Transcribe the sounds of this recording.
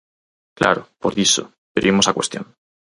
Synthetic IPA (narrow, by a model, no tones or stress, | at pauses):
kla̰ɾopoɾðiso̰ | beɾʔimosakwe̞st̪jo̰n